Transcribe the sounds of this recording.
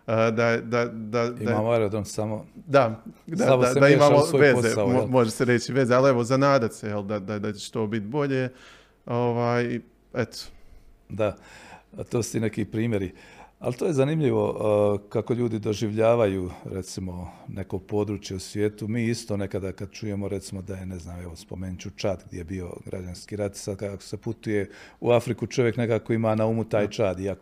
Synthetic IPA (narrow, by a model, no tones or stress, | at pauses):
əd̪ad̪ad̪aiamamoaɾed̪onsamod̪ad̪aamd̪ad̪aimaːmooʋeozeamomo̞ʒeseɾet͡ʃiʋe̞ːzeale̞ʋozanaːd̪at̪sejeld̪ad̪ad̪at͡ʃe̥t͡ʃt̪o̞ːbit̪bo̞ʎe | oʋaːji | et̪ʰo̥ | d̪a | t̪oːsu̥t̪inekiːpɾiːmjeɾia̰lt̪oːjezanimʎiʋo̞kako̞ʎuːd̪id̪o̞ʒiʋʎaːʋajuːɾet̪simo̞ne̞ko̞po̞d̪ɾuːt͡ʃjeusʋjeːt̪umiːist̪o̞ne̞kad̪akad̪̚t͡ʃuje̞moɾe̞t̪simo̞d̪ajeneznaːmeʋo̞spo̞̰meːnit͡ɕut͡ʃaːd̪ɡ̚d̪jejebio̞̰ɡɾʔa̰d͡ʒanskiːɾat̪i̥sad̪kaako̥se̞put̪uje̞uafɾikut͡ʃoʋjekne̞kaːko̞imaːnaumut̪aːjt͡ʃaːd̪iak